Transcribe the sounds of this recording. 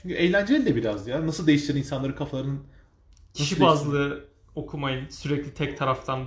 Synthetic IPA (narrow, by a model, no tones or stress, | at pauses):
t͡ʃʰyɲcʰyejlʲænd͡ʒeid̪ɛbiɾazd̪janasɯlˠd̪e̞jiʃt̪iɾininsanˠaɾɯkʰafalˠaɾɯnɯnʰ | aʃibazllˠɯ | o̞kʰumajɯnsyɾɛclʲit̪ʰɛc̚t̪ʰaɾaft̪ʰan